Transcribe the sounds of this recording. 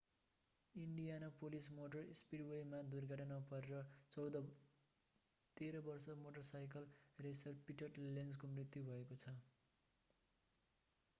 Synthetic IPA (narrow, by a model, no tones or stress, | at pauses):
iɳɖijanapolismoʈʌrispiɽwejmad̪urɡʱʌʈʌnʌpʌɾeɾʌt͡sʌwd̪ʌ | t̪eɾʌbʌrsʌmoʈʌrsajkʌlresʌrpiʈʌʈlend͡zkomrit̪jubʱʌekot͡sʰʌ